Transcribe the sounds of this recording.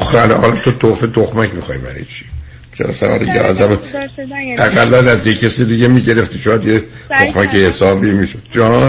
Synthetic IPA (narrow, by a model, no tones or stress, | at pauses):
xælhɒ̰lɒt̪ʰot̪ʰofet̪ʰoxmæcmixɒ̰jbæ̰ɾḭt͡ʃʰi̥ | t͡ʃʰeɾɒ̰sæ̰mæ̰ɾd̪ḭjeɒ̰zæm | æɣælːænæzjecʰːesid̪iɟemiɟe̞ɾeft̪iʃojæd̪jet̪ʰoxmækehesɒːbiːmiʃod̪̥̚d͡ʒɒː